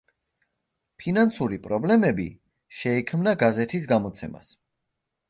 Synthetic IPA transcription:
pʰinansuɾipʼɾɔblɛmɛbḭ | ʃɛikʰmnaɡazɛt̪ʰisɡamɔt̪sʰɛma̰s

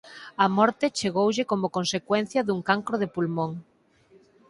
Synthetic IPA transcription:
ɐmɔɾt̪ɪt͡ʃeɣowʎɪkomokonsekwɛn̟θjɐðuŋkaŋkɾoðepulmõŋ

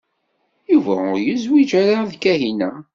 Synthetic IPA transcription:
juvæʊɾjəzwid͡ʒaɾaðkæɦinæ

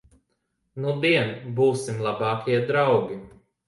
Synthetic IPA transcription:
nud̪iɛnbuːsimlˠabɑːkʰʲiɛd̪ɾawɡʲi

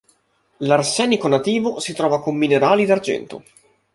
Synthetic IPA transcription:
larsɛːnikonat̪iːvosit̪ɾɔːvakomːineɾaːlid̪ard͡ʒɛ̰nt̪o̰

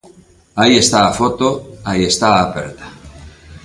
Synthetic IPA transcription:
aiest̪aːfot̪oajest̪aapeɾt̪ḁ

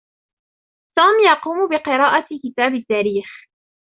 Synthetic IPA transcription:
t̪uːmjɑquːmbɪqɪɾˤɑːʔat̪kɪt̪aːbɪt̪ːaːɾiːx

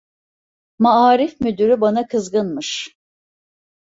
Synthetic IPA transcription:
maaːɾifmyd̪yɾybanakʰɯzɡɯnmɯʃ

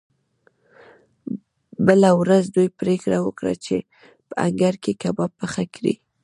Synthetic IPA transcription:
bəlawɾazd̪ujpɾekɽawəkɽa̰t͡ʃe | pəaŋɡaɾkekabapːəxakɾḭ

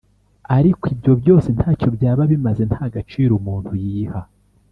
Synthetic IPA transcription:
aɾikwibjo̞bjo̞ːse̞n̥haːco̞bjaːβaβimaze̞n̥haːɡat͡ʃiːɾumuːn̥hujiːha

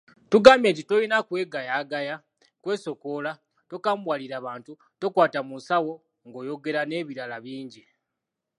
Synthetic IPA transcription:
tuɡaːmbje̞ːnt̬ito̞jinakwe̞ːɡajaːɡaja | kwe̞ːso̞ko̞la | tokaːmbwaliɾaːβaːntu | to̞kwaːtamunsawo̞ | ŋɡo̞ːjo̞ɡe̞ɾane̞ːβiɾalaβiːɲɟi

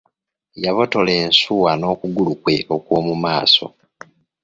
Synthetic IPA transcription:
jaβo̞to̞le̞ːnsuwano̞ːkuɡulukwe̞ʔo̞kwoːmumaːso̞̰

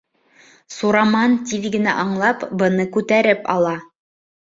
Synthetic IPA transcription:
suɾɑmɑnt̪ʲiðɡɘ̆næ̰ʔɑɴlˠɑpbɤ̆nɤkʉt̪æɾɘpɑ̰lˠɑ

